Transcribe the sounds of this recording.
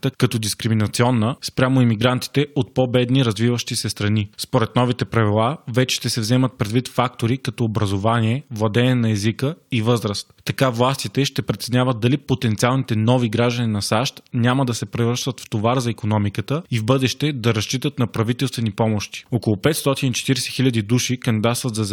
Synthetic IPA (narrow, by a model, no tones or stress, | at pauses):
t̪əkɐt̪ɔd̪iskɾiminɐt̪siɔnːəspɾʲamoimiɡɾant̪i̥t̪ɛot̪̚pɔbɛd̪niɾɐzvivəʃt̪isɛst̪ɾɐnispoɾɛt̪nɔvit̪ɛpɾɐvilˠavɛt͡ʃɛ̥ʃt̪ɛsɛvzɛmət̪̚pɾɛd̪vit̪fak̚t̪oɾikɐt̪ɔobɾɐzovaniɛvlˠɐd̪ɛɛnɐɛzikəivɤzɾəst̪ːɐkavlˠast̪it̪ɛʃt̪ɛpɾɛt̪snʲavət̪̚d̪ɐlipot̪ɛnt̪sialˠnit̪ɛnɔviɡɾaʒd̪əninɐsaʃt̪nʲaməd̪ɐsɛpɾɛvɤɾʃt̪ət̪ft̪ovaɾzɐikonɔmikət̪əivbɤd̪ɛʃt̪ɛd̪ɐɾɐʃt͡ʃit̪ət̪nɐpɾɐvit̪ɛlˠst̪vɛnipɔmoʃt̪i̥okolˠopɛt̪st̪ɔt̪init͡ʃɛ̥t̪iɾɛsɛ̥xilʲɐd̪id̪uʃikɐnd̪id̪at̪st̪vɐt̪zɐz